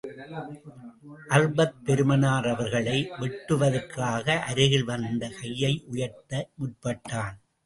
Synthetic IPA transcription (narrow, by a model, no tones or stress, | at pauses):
ʔɐrbɐt̪̚pɛɾɯmɐnaːɾɐʋɐɾɣɐɭɐɪʋɛʈːɯʋɐðɐɾkaːɣɐʔɐɾɪɣɪlʋɐnd̪ɐkɐjːɐɪʔʊjɐɾt̪ːɐmʊʈ̚pɐʈːaːn